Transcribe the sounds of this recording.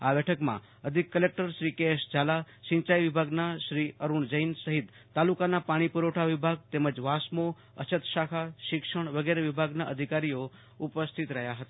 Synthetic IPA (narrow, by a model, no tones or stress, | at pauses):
abɛʈʰəkmã̰ | əd̪ʱikːəlek̚ʈəɾʃɾikeʃd͡ʒala | ʃĩɲt͡ʃajʋibʱaɡnaʃɾiəɾuɳd͡ʒəinsəɦit̪ːalukanapaɽ̃ipuɾoʈʰaʋibʱaɡ̚t̪eməd͡ʒʋasmo | ə̰t͡ʃʰət̪ʃakʰaʃɪkʃəɳ̃ʋəɡeɾeʋibʱaɡnaʔəd̪ʱikaɾijo | upəst̪ʰit̪ɾəɦjaɦət̪a